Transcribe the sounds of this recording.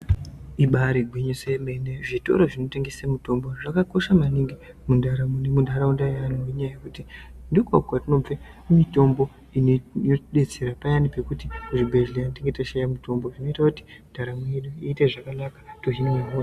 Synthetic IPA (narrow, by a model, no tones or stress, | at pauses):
iɓaɾiɡwiɲosemeneʐito̞̰ɾo̞ʐino̞teŋɡesemuto̞mbo̞ʐakako̞ʃamaniŋɡi | mundaɾamnemundʱaɾaundaanujeɲajajekutindikokwatino̞b͡ve | mito̞mbo̞ | ineoɗe̞t͡seɾapajanipe̞kutiʐibʱe̞ʒlejanteŋɡetaʃajamuto̞mbo̞ʐino̞itakuti̥ndʱaɾameeɗuiːteʐakanakḁtoɦinoaɦoːra